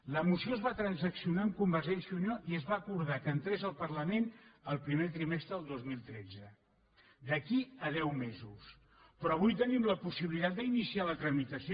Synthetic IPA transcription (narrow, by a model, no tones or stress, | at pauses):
ləmusioəzβat̪ɾənzəksiunaəmkumbəɾʒensiunjoʔiəzβaːkuɾðakənt̪ɾezəlˠpəɾləmenəlˠpɾimet̪ɾimɛst̪ɾəðəlˠd̪ozmilˠt̪ɾɛd͡zə | d̪əkiəðɛwmezus | pɾɔəβujt̪ənimləpusiβilit̪at̪̚d̪əinisialət̪ɾəmit̪əsio